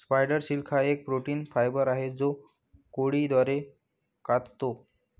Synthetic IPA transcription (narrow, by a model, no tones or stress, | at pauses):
spajɖəɾɕilkʰaek̚pɾoʈiːnfajbəɾaɦed͡zo | koɽid̪ʋaɾe | kat̪t̪o